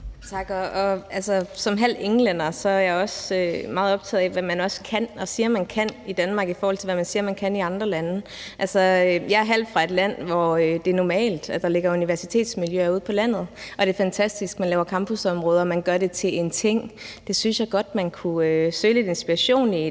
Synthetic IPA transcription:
t͡sʰɑ̈ɡ̥ɒɒ̽ælsɐsɒ̽mɦæl̰deŋlen̰ɐsɒ̽æɐjɑ̈ɒ̽sømɑ̈ːð̩ˠɒ̽b̥t͡sʰɛ̰ːð̩ˠɛʋæmænɒ̽skʰænɒ̽siːɐmænkʰæn̰id̥ænmɑ̈ːɡ̥ifɒːhɒ̽l̰t͡sʰelʋæmænsiːɐmænkʰæniɑ̈nd̥ʁɐlænəʔælsɒøjɑ̈æɐɦæl̰d̥fʁɑ̈e̝d̥læn̰ʋɒød̥e̝nɒmɛ̰ːld̥æd̥ɑ̈le̝ɡ̥ɐuniʋæɐsi̥t͡sʰe̝̰ːd̥smiljøæɐuð̞̰ˠpʰɒ̽læn̰ð̞̩ˠʔɒ̽ɾ̥e̝fænt͡sʰæsd̥isɡ̥mænlɛːʊɐkʰɑ̈mb̥ʰusɒ̽mʁɔːð̞ˠɒ̽mænɡ̥ɶɐɾe̝t͡sʰe̝le̝nt͡sʰe̝ŋ̰d̥e̝synsjɑ̈ɪɡ̥ɒ̽d̥̚mænkʰuøsøːle̝d̥e̝nsb̥iʁɑɕo̝̰ːni

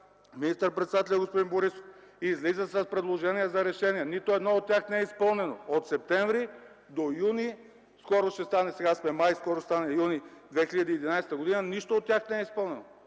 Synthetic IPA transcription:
minist̪əɾpɾɛt̪sɛd̪at̪ɛlʲjəɡospod̪inboɾisof | izlizəsɐspɾɛd̪lˠoʒɛniɛzɐɾɛʃɛniɛnit̪oɛd̪nɔot̪ːʲjaxnɛɛispəlˠnɛnoot̪sɛp̚t̪ɛɱvɾi | d̪ojuni | skɔɾoʃt̪ɛst̪anɛsɛɡasmɛmajskɔɾost̪anɛjunid̪vɛxiʎʲəd̪iːd̪inajsɛt̪əɡod̪inəniʃt̪oot̪ːʲaxnɛɛispɤlˠnɛno

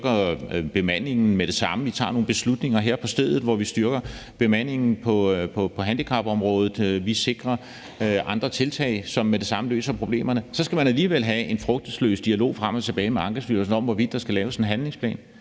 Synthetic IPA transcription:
ɡ̥ɐb̥e̝mæn̰e̝ŋn̩med̥e̝sɑ̈məʋit͡sʰɑ̰̈ːno̝ːn̩b̥e̝slud̥ne̝ŋɐɦeɐ̰pʰɒ̽sd̥eð̞ˠð̩ˠʋɒʋisd̥yɐɡ̥ɐb̥e̝mæn̰e̝ŋn̩pʰɒ̽pʰɒ̽pʰɒ̽ɦænd̥ikʰɑ̈b̥ɒ̽mʁɔ̽ːð̞ˠð̩ˠʋise̝ɡ̥ʁɐ | ʔɑ̈nd̥ʁɐt͡sʰe̝lt͡sʰɛ̰ɪsɒ̽mːed̥e̝sɑ̈məlø̰ːsɐpʰʁo̝b̥le̝̰ːmɐnəsɒ̽sɡ̥æmænæliːʋel̰ɦæe̝nfʁœɡ̥̚d̥əslø̰ːsd̥iælo̝̰ːfʁam̰ɒt͡sʰe̝b̥ɛːɪmeɑ̈ŋɡ̥ɐsfylɐsnɒ̽m̰ʋɒʋid̥d̥ɑ̈sɡ̥ælɛːʊsenɦænle̝ŋspʰlɛ̰ːn

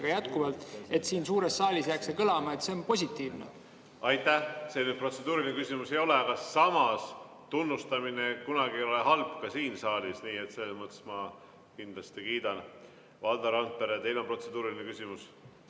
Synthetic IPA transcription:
ɡ̥ɑjæt̪kuvɑlt̪ˑe̞t̪siːnsuːɾesːɑːlʲisjæksekɤlɑmɑet̪se̞onpo̞sʲit̪ːˑiːvnḛ | ɑjt̪ːˑæhseny̥pro̞t̪se̞d̪uːɾilʲinekysʲimuse̞jo̞le̞ɑkɑsːɑmɑs | t̪unːust̪ɑminekunɑɡieo̞leɦɑlbkɑsiːnsɑːlʲisniːet̪selːesmɤt̪ːˑsmɑ | kind̪̥lɑst̪ikiːd̪̥ɑn | vɑld̪ɑɾɑnt̪̚peɾet̪e̞jlompro̞t̪se̞d̪̥uːɾilʲinekysʲimus

